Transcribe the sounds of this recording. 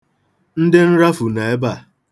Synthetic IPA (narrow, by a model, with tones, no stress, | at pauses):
n̩˦dɪ˦n̩˦ɾa˦fʊ˨na˨e˦ba˨